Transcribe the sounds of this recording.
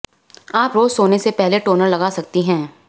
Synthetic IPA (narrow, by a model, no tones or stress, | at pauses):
aːpɾoːzsoːnesepɛɦleʈoːnəɾlɐɡaːsɐk̚t̪iɦɛ̃ː